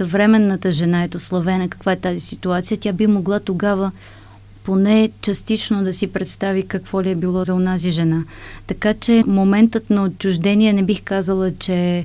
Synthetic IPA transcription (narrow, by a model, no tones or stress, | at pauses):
sɐvɾɛmɛnːət̪əʒɛnaɛt̪oslˠɐvɛnəkɐ̥kvaɛt̪azisit̪uat̪sijət̪ʲjabixmoɡlˠat̪oɡavə | ponɛt͡ʃɐst̪it͡ʃnod̪ɐsipɾɛt̪st̪avikɐkvɔliɛbilˠɔzɐonaziʒɛnat̪ɐkat͡ʃɛmomɛnt̪ət̪nɐott͡ʃːʊʒd̪ɛniɛnɛbixkazəlˠət͡ʃɛ